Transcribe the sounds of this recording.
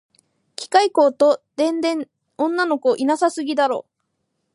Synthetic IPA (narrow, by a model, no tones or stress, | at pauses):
kʲi̥kaiko̞ːt̪o̞d̪̥ẽ̞nd̪ẽ̞ɴ | õ̞nːano̞koʔinasasɨɡʲid̪aɾo̞̰ː